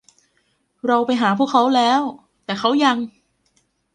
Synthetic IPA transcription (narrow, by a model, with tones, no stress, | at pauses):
ɾa˧wpa˧jɦaː˩˦pʰu˥˩əkʰːa˦˥wlɛː˦˥w | t̪ɛː˨˩xʰa˦˥wja˧ŋ